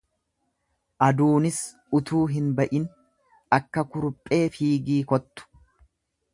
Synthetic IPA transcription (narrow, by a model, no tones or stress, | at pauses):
ʔɐd̪uːnɪs | ʊt̪uːɦɪnbɐʔɪn | ɐkːɐkʊɾʊpʼːe̞ːfiːɡiːkɔt̪ːʊ̥